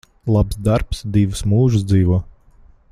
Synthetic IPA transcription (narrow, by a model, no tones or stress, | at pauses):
lˠapsd̪aɾpsd̪iʋɨsmuːʒɨs̬d̪ziːʋuɔː